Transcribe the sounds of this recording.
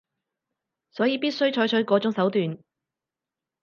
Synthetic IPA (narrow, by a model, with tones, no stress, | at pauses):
sɔː˨˥jiː˨˧piː˥t̚sɵ˥ɥt͡ʃʰɔː˨˥jt͡ʃʰɵ˨˥jkɔː˨˥t͡sʊ˨˥ŋsɐ˨˥wt̪yː˨n